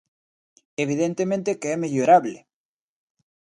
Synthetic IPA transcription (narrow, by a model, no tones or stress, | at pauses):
eβ̞iðent̪emẽnt̪ekeɛmeʎoɾaβle